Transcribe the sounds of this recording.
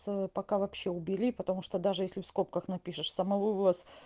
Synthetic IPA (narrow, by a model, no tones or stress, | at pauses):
spɐkavɐpɕːe̞ʊbʲɪlʲipət̪ɐmuʂt̪od̪aʐɨjesʲlʲɪfsko̞p̚kəxnɐpʲiʂɨʂsəmɐvovˠəs